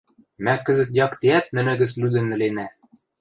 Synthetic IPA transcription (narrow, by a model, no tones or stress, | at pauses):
mækɘ̆zɘ̆t̪jɑkt̪iæt̪̚nɘ̆nɘ̆ɣɘ̆slyd̪ɘ̆nːɘ̆lenæ